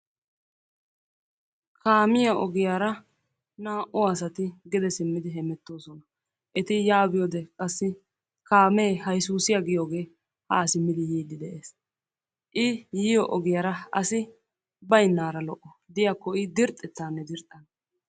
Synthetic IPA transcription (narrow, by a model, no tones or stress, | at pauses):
kʰaːmɪjɐɔɡɪjaːɾɐ | naːʔʊɐsɐt̪ɪɡɪd̪ɛsɪmːɪd̪ɪɦɛmɛt̪ːo̞ːsɔnɐ | ʔɛt̪ɪjaːbɪjod̪ɛkʼɐsːɪ | kaːmeːhɐjsuːsɪjɐɡɪjoːɡe̞ː | hɐ̰sɪmːɪd̪ɪjiːd̪ːɪd̪ɛʔeːs | ʔɪjɪjɔʔɔɡɪjaɾɐɐ̰sɪ | bɐjnːaːɾɐlɔʔɔ | d̪ɪjakːɔɪd̪ɪɾt̪ʼːɛt̪ːaːnːɛd̪ɪɾt̪ʼːɐn